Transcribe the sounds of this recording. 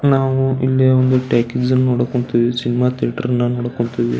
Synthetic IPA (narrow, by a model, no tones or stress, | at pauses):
naːʋuilːiond̪uʈaːkezɐnːɐnoɽɐkːoɳt̪iʋisinimaːt̪ʰiaʈɐɾɐnːɐnoːɽɐkːoɳt̪iʋḭ